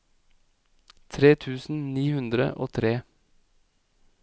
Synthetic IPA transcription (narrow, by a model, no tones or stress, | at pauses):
t̪ʰɾeːt̪ʰʉːsn̩niːhʉnd̪ɾə̰ʔoːt̪ʰɾeː